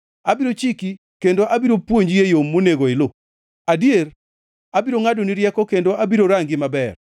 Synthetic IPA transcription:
abiɾot͡ʃiki | kendoʔabiɾopwoɲd͡ʒjejomːoneɡoɪlo | adjer | abiɾoŋadoniɾjɛkɔkendoʔabiɾoɾaŋɡɪmabɛr

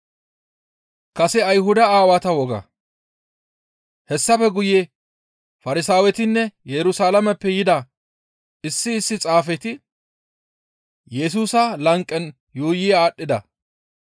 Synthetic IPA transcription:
kɐsɛɐjɦʊd̪ɐaːwat̪ɐwɔɡɐ̰ | hɛsːɐfɛɡʊje | fɐɾɪsaːwɛt̪ɪnːɛjɛɾʊsaːlɐmɛpːɛjɪd̪ɐ | ɪsːɪːsːɪt͡sʼaːfɛt̪ɪ | jɛs̬uːsɐlɐŋkʼːɛn | juːjɪaːɗːɪd̪ɐ̰

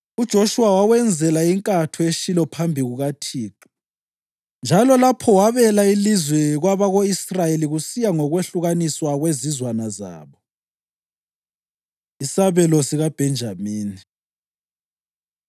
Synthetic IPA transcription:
ud̥ʒ̥ʱoʃuwawawɛnd͡zʱɛlaiŋkʼatʰueʃilɔpʰambʱiɣuɣatʰiːkḁ | nd͡ʒʱalɔlapʰɔwaβɛlailizwɛɣwaβaɣoisrajeliɣusijaŋɔɣweɬuɣaniswaɣwezizwanaza̰ːβɔ | isaβɛlɔsiɣab̥ʱɛnd͡ʒʱamiːni

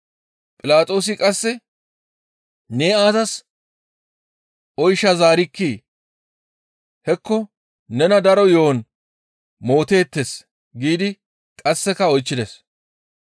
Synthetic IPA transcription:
pʼɪlaːt̪ʼo̞ːs̬ɪkʼɐsːɛ | neːaːzɐs | ʔɔjʃːɐzaːɾɪkːiː | hɛkːɔ | nɛnɐd̪ɐɾɔjo̞ːn | mo̞ːt̪e̞ːt̪ːes | ɡiːd̪ɪ | kʼɐsːɛkɐɔjt͡ʃːɪd̪ɛs

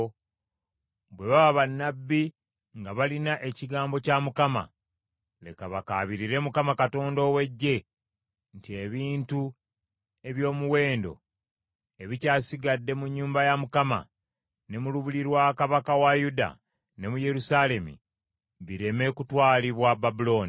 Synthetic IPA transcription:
bwe̞βaβaβanːabːi | ŋɡaβalinaʔe̞ciɡaːmbo̞camukama̰ | le̞̰kaβaka̰βiɾiɾe̞mukamakato̞ːndo̞ːwe̞ɟːe̞ | ntie̞βiːntu | e̞βjo̞ːmuwe̞ːndo̞̰ | e̞βicaːsiɡadːe̞muɲːuːmbajamukama̰ | ne̞muluβuliɾwakaβakawajuda̰ | ne̞muje̞ɾusaːle̞mḭ | βiɾe̞me̞kutwaːliβwababulo̞ːni

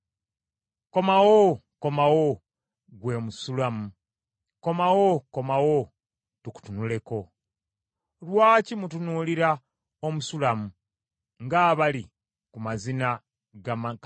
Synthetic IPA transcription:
ko̞mawo | ko̞mawo | ɡwe̞ːmusulamu | ko̞mawoko̞mawo | tuku̥tunule̞ko̞ | lwaːcimut̬unuliɾa | omusulamu | ŋɡaːβali | kumazina | ɡa

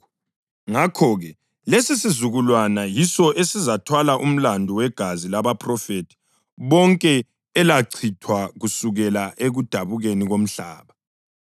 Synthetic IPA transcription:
ŋakʰɔɣɛ | lesisizuɣulwanajisɔʔesizatʰwalaʔum̩landʱuwɛɡ̥ʱazilaβapʰʼrɔfetʰi̥ | βɔŋkʼɛ | ɛlaǀʰitʰwaɣusuɣɛlaʔeɣud̥ʱaβuɣeniɣom̩ɬa̰ːβa

